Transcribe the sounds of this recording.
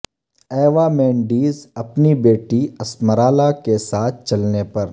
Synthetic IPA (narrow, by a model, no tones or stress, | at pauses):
ɛːʋamɛ̃ːɳɖiːzɐpnibeːʈiɐsməɾaːlakesaːt̪̚ʰt͡ʃɐlnepɐɾ